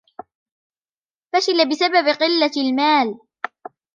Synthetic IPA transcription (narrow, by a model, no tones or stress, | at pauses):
faʃɪlabɪsababqɨlːalmaːl